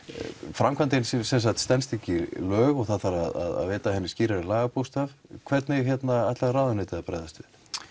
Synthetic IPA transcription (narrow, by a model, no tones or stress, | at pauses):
fɾamkʰvant̪ɪnssɛns̬axt̪st̪ɛnst̪ɛcɪlœːɣɔɣθaθaɾaða̰ða̰ðveːt̪ahɛnːɪsciːɾaɾɪlaːɣapust̪avkʰvɛt̪nɪjçjɛt̪naajt̪larawðʏnɪːt̪ɪaðpɾa̰jðast̪ʏ̥